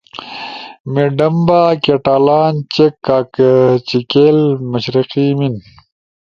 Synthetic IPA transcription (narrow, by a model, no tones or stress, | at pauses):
meɖɐmbaːkeʈaːlaːnt͡ɕekːaːkt͡ɕikeːlmɐɕɾiqimin